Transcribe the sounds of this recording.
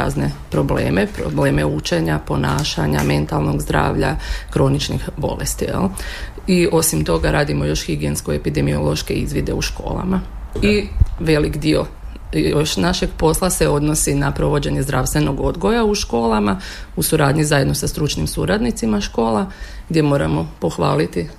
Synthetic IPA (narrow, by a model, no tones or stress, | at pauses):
a̰ːzne̞pɾo̞blḛːmepɾo̰bleːmeut͡ʃe̞ɲapo̞naːʃaɲa̰me̞nt̪alˠno̞ɡzd̪ɾa̰ːʋʎa̰kɾo̞nit͡ʃnḭxbo̞̰lest̪ijɛ̰lˠ | io̞simt̪o̞ɡaɾaːd̪imo̞jo̞ʃxiɡienskoepid̪emio̞̰lˠo̞ʃke̞izʋid̪e̞̰uʃko̞̰ːlˠa̰ma | iʋe̞likd̪io̞ | joʃnaʃeɡpo̞slˠase̞o̞d̪nosinapɾo̞ʋo̞d͡ʑe̞ɲe̞zd̪ɾaʋst̪ʋeno̞ɡo̞d̪ɡo̞jauʃko̞ːlˠamausuɾaːd̪ɲizaje̞d̪no̞sast̪ɾut͡ʃnimsuɾad̪nit̪simaʃko̞ːlˠaɡd̪ʲje̞mo̞ːɾa̰mo̞po̞xʋaːlit̪i